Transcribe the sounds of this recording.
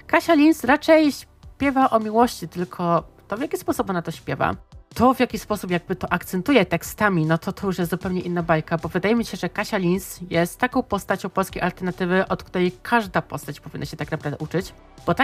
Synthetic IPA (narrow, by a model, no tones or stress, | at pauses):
kaɕalʲinsɾat͡ʂɛjɕ | pʲjɛvaʔɔmʲiwɔɕt͡ɕit̪ɘlkʰɔt̪ɔvjakʲispɔsupɔnat̪ɔɕpʲjɛva̰t̪ɔvjakʲispɔsupjaɡ̚bɘt̪ɔʔakt̪sɛnt̪ujɛt̪ɛkst̪amʲinɔt̪ʰɔt̪ʰɔjuʂjɛst̪zupɛwɲɛʔinːabajkabɔvɘd̪ajɛmʲiɕɛʐɛkaɕalʲinsjɛst̪ːakɔ̃w̃pɔst̪at͡ɕɔ̃w̃pɔlskʲejʔalt̪ɛɾnat̪ɘvɘʔɔt̪k̚t̪uɾɛjkʰaʐd̪apɔst̪at͡ɕpɔvʲinːaɕɛt̪aknapɾavd̪ɛʔut͡ʂɘt͡ɕ | b̥ɔt̪a